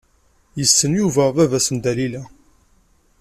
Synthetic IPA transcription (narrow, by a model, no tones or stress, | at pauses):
jəsːənjuvævævæsənd̪ælilæ